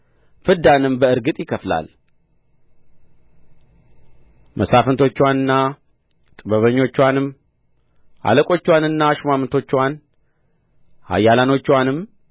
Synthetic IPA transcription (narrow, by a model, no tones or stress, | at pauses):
fɨd̪anɨmbəɨɾɡɨt̪ʼjɪkʰəfla̰l | mʔəsafənt̪ʰo̞t͡ʃːwanɨnːa | t̪ʼɨbəβəɲːo̞t͡ʃːwanɨm | ʔa̰ləkʼo̞t͡ʃːwanɨnːaʃmamɨnt̪ʰo̞t͡ʃːwan | ha̰jːalano̞t͡ʃːwanɨm